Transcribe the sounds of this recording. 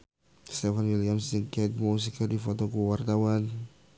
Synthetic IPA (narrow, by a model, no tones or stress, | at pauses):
st̪ɛfanwiliamsiŋkɛt̪̚mus̬ikadifot̪okuwart̪awan